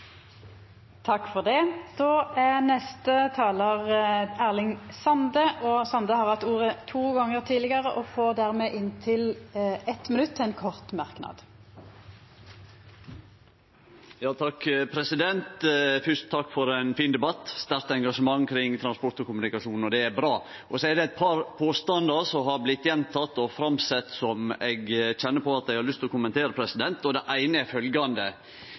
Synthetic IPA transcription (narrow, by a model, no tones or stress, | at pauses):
t̪ʰɑkːfɔʁd̪ɛd̪̥oːʔænɛst̪ət̪ʰɑːləʁæːʁlɪŋsɑnd̪əʔɔsɑnd̪əhɑːʁhɑt̪ːuːʁət̪ʰuːɡɑŋəʁt̪ʰiːlɪɡəʁəʔɔfoːd̪æʁmeːʔɪnt̪ʰɪlɛt̪mɪnʉt̪ʰːɛnkʰɔʁt̪mɑʁknɑ̰ːd̪̥ | jɑːt̪ʰɑkːpʰɾɛsɪd̪ɛnt̪fʏʂt̪t̪ʰːɑkːfɔɾɛnfiːnd̪ɛbɑt̪ːst̪æɾt̪əɛŋɡɑʂəmɑŋːkʰɾɪŋːt̪ʰɾɑnspɔɾt̪ɔkʊmʉnɪkɑʂuːnɔd̪ɛæɾbɾɑː | ʔɔsɔɛd̪ɛæt̪̚pʰɑːɾpʰoːst̪ɑnd̪ɑɾsɔɦɑɾblɪt̪ːjɛnt̪ʰɑt̪ːɔfɾɑmsɛt̪ːsɔmɛɡçɛnːəpʰɔɑt̪d̪æɪɡhɑɾɭʏst̪ɪlɔkʊɔmːɛnt̪ʰeːɾəpʰɾɛsɪd̪ɛnt̪ɔd̪ɛʔæɪnəæɾfœlɡɑnd̪ə